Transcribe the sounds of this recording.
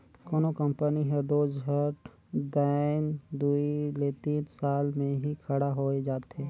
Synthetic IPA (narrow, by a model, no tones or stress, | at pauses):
kɔːnokə̃mpəniɦɛd̪oːd͡ʒɦəʈ | d̪aːɪnd̪uilet̪iːnsaːlmẽɦikʰəɽaɦoed͡ʒaːt̪e